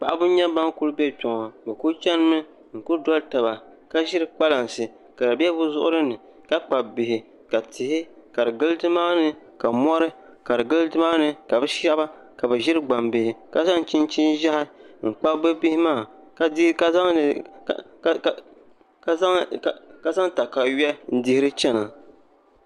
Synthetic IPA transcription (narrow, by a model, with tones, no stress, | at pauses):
k͡pa̰˨ʔa˦bʊ˦ɲa˦ba˦ŋku˦lɨ˦bɛ˦tʊ˨ŋɔ˨bɛ˨ku˦t͡ʃɛ˦n˦mɨ˦ | ŋ̩˨kʊ˦dɔ˦lta˨ba˨ | ka˦ʒɪ˦ɾɨ˦k͡pa˦la˨n˨sɨ˨ | ka˨dɨ˨bɛ˦bʊ˦zʊ˦ʔʊ˦ɾɨ˦nɨ˨ | ka˦k͡pa˨bɪ˨hɪ˨ | ka˨tɪ˨hɪ˦ka˨ɾɨ˨ɡɨ˦lɨ˦tɨ˦maː˦nɨ˨ | ka˨mɔ˦ɾɨ˦ | ka˨ɾɨ˨ɡɨ˦lɨ˦tɨ˦maː˦nɨ˨ka˨bɛ˦ʃa˦ba˦ | ka˨bɨ˨ʒɪ˦ɾɨ˦ɡ͡ba˨mbɪ˨hɪ˨ka˦za˦ŋ˨t͡ʃɪ˦nt͡ʃi˦n˦ʒa˦hɪ˦ŋ̩˨k͡pa˦bɨ˦bɪ˦hɪ˦maː˦˨˦ | ka˦˨ | ka˦za˦ŋta˨ka˨ɥɛ˦n̩˦dɪ˦hɪ˦ɾɨ˦t͡ʃɛ˦na˨